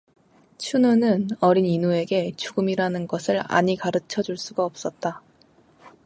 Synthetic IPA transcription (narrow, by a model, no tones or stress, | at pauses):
t͡ɕʰunonɯnʌɾininue̞ɡe̞t͡ɕuɡɯmiɾanɯnɡʌsʰɯɭa̰ɲikaɾɯt͡ɕʰʌd͡ʑuɭs͈uɡaʌp̚s͈ʌt̚t͈a